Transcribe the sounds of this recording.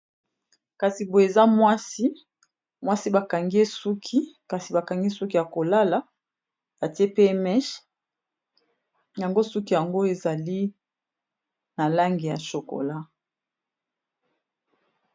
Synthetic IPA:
ka˨si˨bo˨e˨za˦mwa˦si˦ | mwa˦si˦ba˨ka˨ŋɡe˦su˦kʰi˦ka˨si˨ba˨ka˨ŋɡi˦su˦ki˦ja˨ko˨la˦la˨ | ba˨ti˦e˦pe˦mɛ˦ʃ | ja˨ŋɡo˦su˦ki˦ja˨ŋɡo˦e˨za˨li˦ | na˨la˦ŋɡi˨ja̰˨ʃo˨ko̰˨la˦

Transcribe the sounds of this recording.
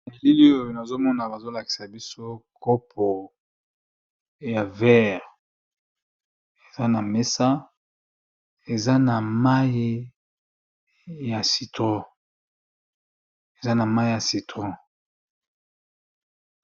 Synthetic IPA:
e˨li˦li˦o˦o˨jo˨na˨zo˦mɔ˦na˨ba˨zo˦la˨ki̥˨sa˨bi˦so˦kɔ˦p̚ʰɔ˨ | ja˨vɛ˦ʁ | e˨za˦na˨me˦sa˦ | e˨za˦na˨ma˦ji˦ | ja˨si˨tʁɔ̃˦ | e˨za˦na˨ma˦i˦ja˨si˨tʁɔ̃˦

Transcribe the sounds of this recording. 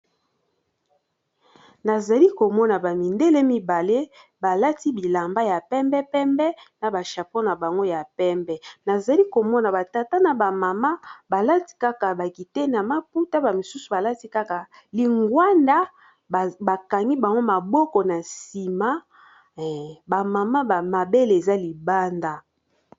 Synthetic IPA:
na˨za˨li˦ko˨mɔ˦na˨ba˨mi˨nde˦le˦mi˦ba˨le˦ | ba˨la˦ti˦bi˨la˨mba˦ja˨pɛ˦mbɛ˦pɛ˦mbɛ˦na˨ba˨ʃa˨po˦na˨ba˨ŋɡo˦ja˨pɛ˦mbɛ˦na˨za˨li˦ko˨mɔ˦na˨ba˨ta˨ta˦na˨ba˨ma˨ma˦ba˨la˦ti̥˦ka˦ka˨ba˨ki˨te˦na˨ma˦pu˦ta˦ba˨mi˨su˦su˨ba˨la˦ti˦ka˦ka˨ | li˨ŋɡwa˦nda˦˨ | ba˨ka˨ŋɡi˦ba˨ŋɡo˦ma˨bɔ˦kɔ˨na˨si˨ma˦˨ | ba˨ma˨ma˦ba˨ma˨be˦le˨e˨za˦li˨ba˦nda˦

